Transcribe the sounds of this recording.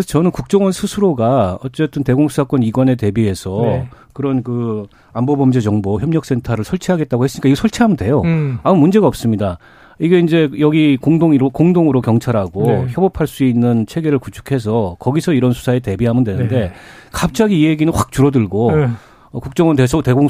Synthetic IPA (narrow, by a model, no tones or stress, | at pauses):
esʰʌt͡ɕʌnɯnkuk̚t͡ɕ͈ʌŋwʌnsʰusʰuɾoɡaʌt͡ɕ͈e̞t͈ɯnte̞ɡoŋsʰusʰak͈wʌniɡwane̞te̞bie̞sʰʌkɯɾʌnkɯ | ambobʌmd͡ʑed͡ʑʌŋboçjʌmɲʌk̚s͈e̞ntʰaɾɯɭsʰʌɭt͡ɕʰiɦaɡe̞t̚t͈aɡoɦes͈ɯɲikaiɡʌsʰʌɭt͡ɕʰiɦamɯndwe̞joamumund͡ʑe̞ɡaʌp̚s͈ɯmɲida | iɡe̞ind͡ʑe̞jʌɡikoŋdoŋiɾokoŋdoŋɯɾokjʌŋt͡ɕʰaɾɦaɡoçjʌbopʰaɭs͈uinːɯnt͡ɕʰe̞ɡe̞ɾɯɭkut͡ɕʰu̥kʰe̞s̬ʰʌkʌɡisʰʌiɾʌnsʰu̥sʰaete̞biɦamɯndwe̞nnde̞ | kap̚t͡ɕ͈aɡiːɦeɡinɯnɸwak̚t͡ɕuɾʌdɯɭɡo | ʌkuk̚t͡ɕ͈ʌŋʌntesʰʌte̞ɡoŋ